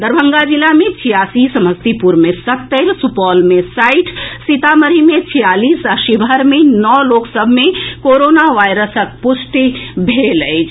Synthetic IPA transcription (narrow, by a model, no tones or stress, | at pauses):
d̪əɾbʱəŋɡad͡ʒilamet͡ʃʰijasisəməst̪ipuɾmesət̪ːəɾsupɔlmesaɪʈʰsit̪aməɾimet͡ʃʰijalisaʃibʱəɾmenɔloksəbʱmekoɾonaʋajɾəsək̚pusʈibʱelət͡ʃʰ